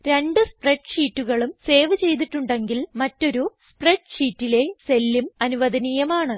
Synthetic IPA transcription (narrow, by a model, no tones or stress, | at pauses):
ɾe̞ɳɖɨspreʈʂiːtːuɣɐɭumse̞ːʋɨt͡ɕe̞jt̪̬iʈːuɳɖe̞ŋɡilmɐtːo̞ɾuspreʈʂiːtːile̞se̞lːumɐnuʋɐd̪ɐnijɐmaːɳɨ